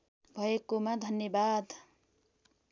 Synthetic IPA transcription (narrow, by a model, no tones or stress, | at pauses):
bʱʌekomad̪ʱʌnjʌbad̪